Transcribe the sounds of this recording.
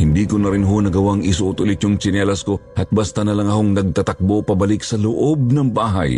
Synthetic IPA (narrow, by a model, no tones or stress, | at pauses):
hɪnd̪ikʊnɐɾɪnɦonɐɡɐwaŋɪsʊʔʊt̪ʊlɪt̪joŋt͡ʃɪnɛlɐskoɐt̪̚bast̪ɐnɐlaŋɐkoŋnɐɡ̚t̪ɐt̪ɐk̚bopɐbɐlɪksɐloʔob̚nɐŋbaːɦɐ̰j